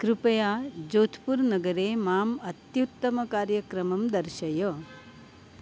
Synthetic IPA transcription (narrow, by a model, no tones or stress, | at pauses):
kɾupɐjaːd͡ʒoːt̪ʰpuɾnɐɡɐɾeːmaːmɐt̪jut̪ːɐmɐkaːɾjɐkɾɐmɐmd̪ɐɾʃɐjoː